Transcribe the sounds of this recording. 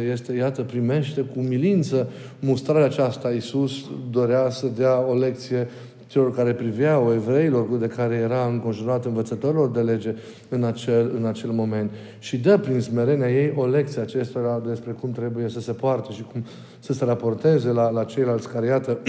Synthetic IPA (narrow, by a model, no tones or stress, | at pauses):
je̞st̪e̞jat̪əpɾime̞ʃt̪e̞kumilint̪sə | must̪ɾaɾeaːt͡ʃast̪aisusd̪o̞ɾeasəd̪eao̞le̞k̚t̪sije̞ | t͡ʃe̞lo̞rkaɾe̞pɾivaoe̞vɾe̞ilo̞rd̪e̞kaɾe̞je̞ɾaɨŋko̞nʒinuɾat̪ɨnvət̪sət̪o̞ɾilo̞rd̪e̞le̞d͡ʒe̞ | ɨnat͡ʃelɨnat͡ʃe̞lmo̞me̞nt̪ | ʃid̪əpɾinsme̞ɾe̞neaje̞jʔo̞le̞k̚t̪sijat͡ʃe̞st̪o̞ɾad̪e̞spɾe̞kumt̪ɾe̞buje̞səse̞poart̪əʃikum | səse̞ɾapo̞rt̪e̞ze̞lalat͡ʃe̞jlalt̪sʲkaɾejat̪ə